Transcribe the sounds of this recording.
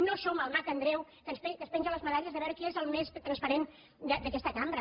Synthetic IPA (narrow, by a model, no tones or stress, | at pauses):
nosoməlˠmat̪ənd̪ɾɛwkənspɛkənspɛnʒələzməðaʎəzðəβɛɾkeezəlˠmest̪ɾənspəɾen | d̪əd̪əkɛst̪əkambɾə